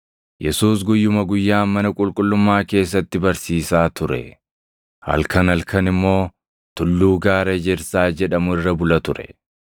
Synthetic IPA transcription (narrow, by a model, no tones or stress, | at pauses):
jɛsuːs̬ɡʊjːʊmɐɡʊjːaːmɐnɐkʼʊlkʼʊlːʊmːaːke̞ːs̬ːɐt̪ːɪbɐɾsiːsaːt̪ʊɾɛ̰ | hɐ̰lkɐnɐlkɐnɪmːo̞ː | t̪ʊlːuːɡaːɾɐd͡ʒɛɾsaːd͡ʒɛᶑɐmʊɪrːɐbʊlɐt̪ʊɾɛ̥̰